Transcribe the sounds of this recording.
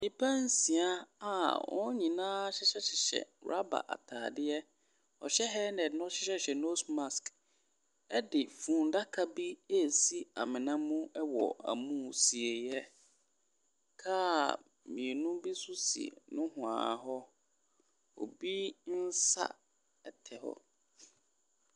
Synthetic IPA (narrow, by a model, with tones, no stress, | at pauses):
nĩ˨pʰã˦n̩˦si˨a˦a˨wɔ̰̃˦ɲĩ˨nãː˦ɕɪ˦ɕɛ˦ɕɪ˨ɕɛ̰˨ɾa̰˦ba̰˨ʔa̰˨tʰaː˨dɪ˦ɛ˦ | ɔ̰˨ɕɛ˦ɦɛ˦nɛ˨dnʊ̃˦ɔ˦ɕɪ˦ɕɛ˦ɕɛ˨no˦sma˨sk | ɛ˦dɪ˨fũ˨nda˦kʰa˦bi˦e˦˨si˦a̰˨mɪ̃˨nã˦mũ˦ɛ˦wɔ̰˨a̰˨mũ˦si˨e˨jɛ˦ | kʰaː˦˨ | mĩ˨nũ˦bi˦sʊ˦sḭ˨nʊ̃˦hʊ̃˨a̰˨ɦɔ˦ | o̰˨bi˦n̩˦sa̰˦ | ɛ˦tʰɛ˨hɔ̰˦